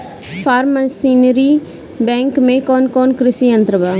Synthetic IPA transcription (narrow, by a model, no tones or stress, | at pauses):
pʰaːɾməsiːnəɾi | bɛ̃ːŋkmẽkɔːnkɔːnkɾɪsiːənt̪ɾəbaː